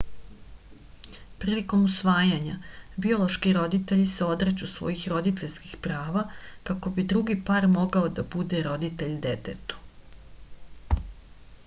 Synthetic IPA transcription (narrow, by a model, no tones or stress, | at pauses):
pɾiːliko̞musʋaːjaɲabio̞lˠo̞ʃkiɾo̞d̪it̪e̞ʎiseo̞d̪ɾet͡ɕusʋo̞̰jixɾo̞d̪it̪eʎski̥xpɾaːʋakako̞bid̪ɾuɡipaːɾmo̞ɡaod̪abud̪e̞ɾo̞d̪it̪e̞ʎd̪et̪et̪u̥